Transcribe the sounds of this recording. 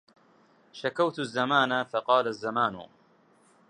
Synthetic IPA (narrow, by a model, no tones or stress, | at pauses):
ʃakawt̪zːamaːnafaqɑːlazːamaːnʊ̰